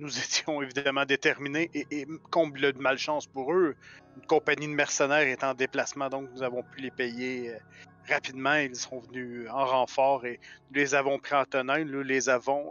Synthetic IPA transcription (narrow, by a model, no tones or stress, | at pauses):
nuzet̪jɔ̃evid̪amɑ̃d̪et̪ɛʁmineʔeʔːkɔ̃blənmalʃɑ̃spuʁøynkɔ̃paɲid̪əmɛʁsənɛːʁet̪ɑ̃d̪eplasmɑ̃d̪ɔ̃knuzavɔ̃pylepɛjeø | ʁapid̪mɑ̃ilsɔ̃vnyɑ̃ʁɑ̃fɑːʁenulezavɔ̃pʁiɑ̃t̪ɔnɛ̃lølezavɔ̃